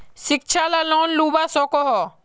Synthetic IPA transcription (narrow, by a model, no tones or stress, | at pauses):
sɪk̚t͡ʃʰalalɔːnluːbasɔkɔɦɔ